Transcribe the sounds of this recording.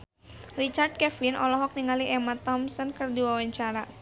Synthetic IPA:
rit͡ʃard̪̚kɛfinʔɔlɔɦɔk̚niŋaliʔɛmat̪ɔmsɔnkɨrdiwawaɲt͡ʃaɾa

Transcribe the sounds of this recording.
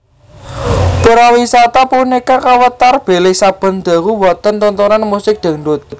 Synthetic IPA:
puɾawisat̪apunikakawət̪arb̥e̤lɪsab̥ə̤nd̪̥a̤ɣuwɔt̪ənt̪ɔnt̪oɾanmusɪk̚d̪̥ə̤ɳɖʊt̪̚

